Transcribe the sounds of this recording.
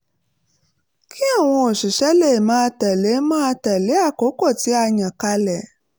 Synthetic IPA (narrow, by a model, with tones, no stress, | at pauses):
ki˦a˦˨w̃ɔ̃˧o˨ʃi˨ʃɛ˨˦le˦˨mãː˨˦˧tɛ˨le˨˦mãː˦a˧tɛ˨le˨˦a˦˨ko˨˦ko˦˨ti˨˦a˧ɲã˨ka˧lɛ˨